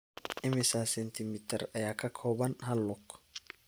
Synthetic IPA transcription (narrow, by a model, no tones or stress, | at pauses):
ʔɪmɪsasɛnt̪imit̪ɛɾɐjakːɐkʰoːbɐnɦɐlːɔkː